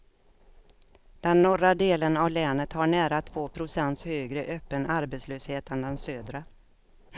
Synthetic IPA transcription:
d̪̥ɛnːɔrad̪eːlənavlɛːnət̪haɳæːɾat̪ʰvoːpʰɾʊsɛnt̪shøːɡɾəʔøːpːənaɾbet̪sløːsheːt̪ʰənd̪ɛnsøːd̪ɾa

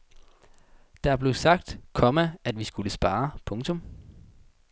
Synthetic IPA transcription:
d̥ɑ̈æɐb̥le̝sɑ̈ɡ̥̚d̥kʰɒ̽mææd̥ʋisɡ̥uləsb̥ɑ̈ːpʰɔ̽ŋt͡sʰɔ̽m

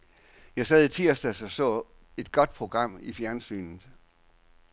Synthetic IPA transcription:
jɑ̈ɪsɛːðˠit͡sʰiɐ̰sd̥æsɒ̽sɔ̰̽ː | e̝d̥̚ɡ̥ɒ̽d̥̚pʰʁo̝ɡ̥ʁɑ̈m̰ifjæɐnsy̰ːnð̩ˠ

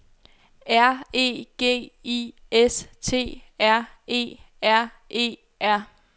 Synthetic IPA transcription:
æɐ̰e̝̰ːɡ̥e̝̰ːiest͡sʰe̝̰ːæɐ̰e̝̰ː | æɐ̰ | ʔe̝̰ː | ʔæɐ̰

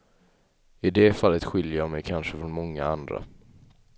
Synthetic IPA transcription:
ɪd̪ɛfalːət̪ɧɪljəjamɛjkʰanʂəfɾɔnmɔŋːaand̪ɾa̰

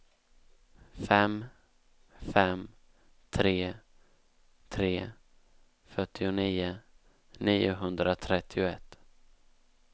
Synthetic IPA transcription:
fɛm | fɛm | t̪ʰɾeː | t̪ʰɾeː | fœʈːɪʊniːʊ | niːʊɦɵnd̪ɾat̪ʰɾɛt̪ʰːɪʊɛt̪ː

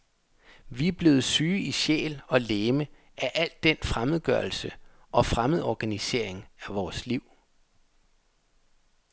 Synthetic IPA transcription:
ʋiæb̥le̝ːð̞̩ˠsyːiɕḛːlɒ̽leːmə | ʔæʔæl̰d̥ːenfʁaməð̞̩ˠɡ̥ɶɐl̩sə | ʔɒ̽fʁaməð̩ˠɒɡ̥ænise̝ɐ̰eŋæʋɒːsliʊ̰

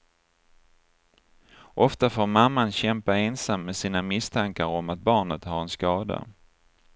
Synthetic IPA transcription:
ʔɔft̪afoːɾmamːanɕɛmpaeːnsamːesiːnamɪst̪ʰaŋkaɾɔmat̪̚bɑːɳət̪haɾɛnskɑːd̪a̰

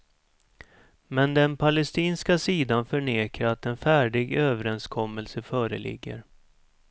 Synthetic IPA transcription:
mɛnd̪ɛnpʰalɛst̪iːnskasiːd̪anfœɳeːkʰaɾat̪ɛnfæːɖɪɡøːvəɾɛnskʰɔmːəlsəfœːɾə̰lɪ̰ɡːə̰ɾ

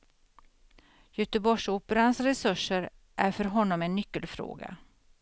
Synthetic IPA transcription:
jɵːt̪əbɔʂuːpəɾansɾɛsɵʂːəɾ | ʔæɾfœɾɦɔnːɔmɛnːʏkːəlfɾo̰ːɡa̰

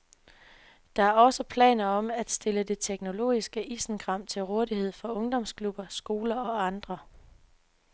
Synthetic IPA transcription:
d̥ɑ̈æɐɒ̽səpʰlɛ̰ːnɐɒ̽mæd̥sd̥e̝ləde̝t͡sʰeɡ̥no̝lo̝̰ːisɡ̥əʔiːsn̩ɡ̥ʁɑ̈m̰t͡sʰe̝lʁɔːðˠihe̝ð̞̰ˠfɒ̽ɔ̽ŋd̥ɒ̽mskʰlub̥ɐsɡ̥o̝ːlɐɒ̽ɑ̈nd̥ʁɐ

